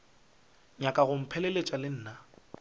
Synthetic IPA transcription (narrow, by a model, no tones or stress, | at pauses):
ɲakʼaɣʊm̩pʰɛlelet͡ʃʼalɪn̩ːna